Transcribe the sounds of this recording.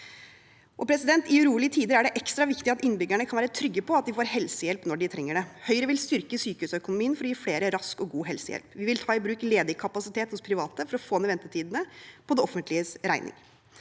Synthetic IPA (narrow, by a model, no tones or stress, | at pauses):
ʔɔpʰɾɛsɪd̪ɛnt̪ɪʉɾuːlɪət̪ʰiːd̪əɾæɖɛʔɛkst̪ɾɑʋɪkt̪ɪɑt̪ɪnbʏɡæɳəkʰɑnʋæːɾət̪ʰɾʏɡːəpʰɔɑt̪̚d̪ɪfoːɾhɛlsəjɛlpnɔɖɪt̪ʰɾɛŋːəɖɛhœʏɾəʋɪlst̪ʏɾkəsyːkəʉːsœkʊnʊmiːənfɔɾɔjiːfleːɾəɾɑskɔɡuːɦɛlsəjɛ̰lpʋɪʋɪlt̪ʰɑːɪbɾʉːkleːd̪ɪkʰɑpɑsɪt̪ʰeːt̪hʊspʰɾɪʋɑːt̪əfɔɾɔfoːnɛʋɛnt̪ət̪iːd̪ənəpʰɔd̪ɛɔfːənt̪lɪəsɾæɪnɪ̰ŋ